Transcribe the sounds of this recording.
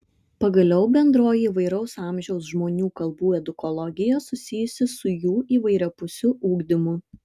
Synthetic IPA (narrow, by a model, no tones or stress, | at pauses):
pɐɡɐlʲɛʊbʲɛnd̪ɾoːjiiːʋɐɪɾɐʊsɑˑmʲʒʲɛʊs̬ʒmoːnʲuːkɐlˠbuːɛd̪ʊkɔlˠɔɡʲɪjɛsʊsʲɪjʊsʲɪsʊjuːiːʋɐɪɾʲɛpʊsʲʊuːɡd̪ʲɪmʊ